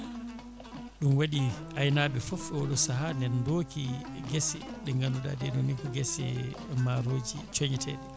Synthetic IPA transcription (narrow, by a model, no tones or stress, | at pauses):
ɗumwaɗiajnaːbɛfɔfɛwɔɗɔsaɦandɛndoːkiɡɛsɛɗɛŋɡanduɗa̰dɛɗɔnikɔɡɛsɛ̰maɾoːd͡ʒḭt͡ʃoɲitʰɛɗɛ